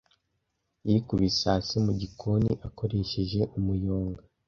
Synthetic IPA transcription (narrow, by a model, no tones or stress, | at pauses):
jikuβisaːsimuɟikʰoniʔako̞ɾe̞ʃeʒe̞ʔumujoːŋɡa